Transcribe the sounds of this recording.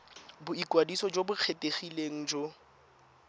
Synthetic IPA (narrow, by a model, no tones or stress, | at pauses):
bʊikwadisɔd͡ʒobʊk͡xʰetʼeχileŋ̩d͡ʒo